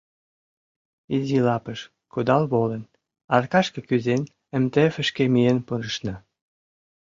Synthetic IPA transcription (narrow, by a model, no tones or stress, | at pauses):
izʲilɑpəʃ | kud̪ɑlβolə̆n | ɑrkɑʃkɤ̆kyzen | ə̆mt̪efə̆ʃkemienpuɾəʃnɑ